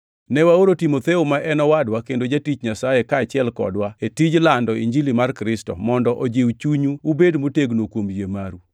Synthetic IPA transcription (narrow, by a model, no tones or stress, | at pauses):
nɛwaoɾotimot̪eumaʔɛnɔwadwakendod͡ʒatit͡ʃɲasajekaːt͡ʃɪɛlkɔ̰dwaetid͡ʒlandɔiɲd͡ʒilimarkɾɪstɔ̰mɔndɔʔod͡ʒewt͡ʃuɲuubedmoteɡnokwomjemaɾu